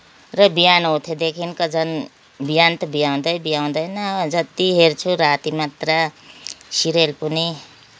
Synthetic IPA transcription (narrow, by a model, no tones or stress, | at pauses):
rʌbijanɦot̪ʰjed̪ekʰinkʌd͡zʌn | bijant̪ʌbijaw̃d̪ʌjbijaw̃d̪ʌjnʌd͡zʌt̪iɦert͡sʰuɾat̪imat̪ra | siɾelpuni